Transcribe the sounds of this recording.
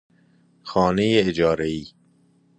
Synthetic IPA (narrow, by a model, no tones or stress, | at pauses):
xɒːnejeːd͡ʒɒːɾeiː